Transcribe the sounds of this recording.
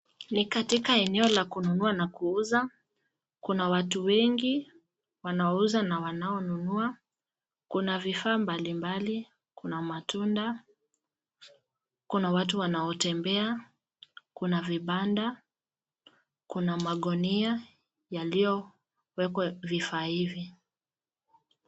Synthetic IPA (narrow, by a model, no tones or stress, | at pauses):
nikatikaɛnɛɔlakununuanakuuza | kunawatuwɛŋɡi | wanaɔuzanawanaɔnunua | kunavifaːmbalimbali | kunamatunda | kunawatuwanaɔtɛmbɛa | kunaviɓanda | kunamaɠɔnia | jalijɔ | wɛkwavifaːhivi